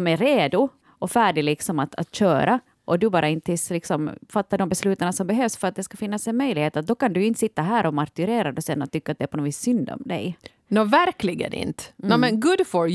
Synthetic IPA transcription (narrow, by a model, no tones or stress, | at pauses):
mæɾeːd̪ʊ | ʔɔfæːɖɪlɪksɔmat̪a̰t̪ɕøːɾa | ʔɔd̪ɵbɑːɾʔaɪnt̪ʰːɪslɪksɔmfat̪ːadɔmbɛslʉ̟ːt̪aɳasɔmbɛɦøːvsfœɾat̪̚d̪ɛskafɪnːasɛnmœjlɪheːt̪at̪̚d̪ɔkand̪ʉɪnt̪sɪt̪ːaɦæːɾʔɔmaɾkʉɾeːɾad̪ɔsɛnːɔ̰t̪ːʏkːat̪̚d̪ɛæːɾpʰɔnoːviːsːʏnd̪ɔ̰md̪ɛ̰j | novæɾklɪɡə̰nɪ̰nt̪ɛmɛnɡʊd̪fɔɾ